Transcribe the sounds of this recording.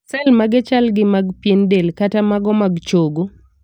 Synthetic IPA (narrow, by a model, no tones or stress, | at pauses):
sɛlmaɡɛt͡ʃalɡɪmaɡpjendelkatamaɡɔmaɡt͡ʃoɡo